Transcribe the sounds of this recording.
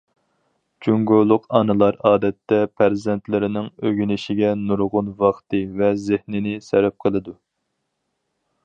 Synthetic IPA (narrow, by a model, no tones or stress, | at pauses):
d͡ʒuŋɡolˠʊqɑnɨlˠɑɾɑːd̪ɛt̪ːɛpʰæɾzɛnt̪lɪɾɪnɪŋøɡʲynɪʃɪɡʲɛnuɾʁʊnvɑχt̪ɨvɛzɪhnɪnɪsɛɾɛp̚qʰəlˠɨd̪u